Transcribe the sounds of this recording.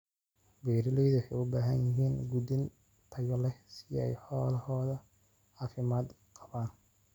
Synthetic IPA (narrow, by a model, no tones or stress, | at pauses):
bɛːɾɪlɛjðʊħɛjʊbaːɦɐnjɪɦiːnɡud̪ɪn | t̪ʰɐjɔlɛsɪɛ̰jħɔːlɐhɔːðɐ | aːfɪmaːd̪ | qɑβaːn